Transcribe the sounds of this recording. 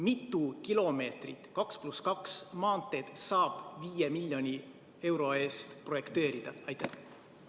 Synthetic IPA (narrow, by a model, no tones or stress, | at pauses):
mit̪ːˑukilo̞me̞ːt̪rḭt̪kɑkspluskɑksmɑːnt̪ːˑe̞d̪̥sɑːb̥viːjemilʲːjo̞nʲi | e̞wɾo̞e̞ːst̪pro̞je̞kt̪e̞ːɾid̪̥ɑ̰ɑjt̪ːæh